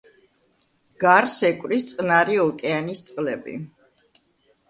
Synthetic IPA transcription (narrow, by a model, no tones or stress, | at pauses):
ɡ̥aɾsɛkʼwɾist̪sʼnaɾiɔkʼɛanist̪sʼlɛbḭ